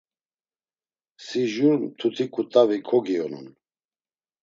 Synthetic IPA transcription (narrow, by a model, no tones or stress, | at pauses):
siʒuɾmt̪ʰut̪ʰikʼut̪ʼavikʰɔɡiɔnṵn